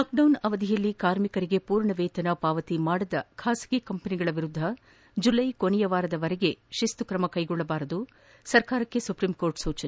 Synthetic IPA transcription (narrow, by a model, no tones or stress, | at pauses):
aːk̚ɖɐwnɐʋɐd̪ʱijɐlːikaːɾmikɐɾiɡe̞puːɾɳɐʋeːt̪ɐnɐpaːʋɐt̪imaːɽɐd̪ɐkʰaːsɐ̥ɡikɐmpɐniɡɐɭɐʋiɾud̪ʱːɐ | d͡ʒulɐjkoɳɛjɐʋaːɾɐd̪ɐʋɐɾɛɡe̞ʃist̪ukɾɐmɐkɐjɡɔɭːɐbaːɾɐd̪u | sɐɾkaːɾɐkːe̞supɾimko̞ːɾʈsuːt͡ʃɐn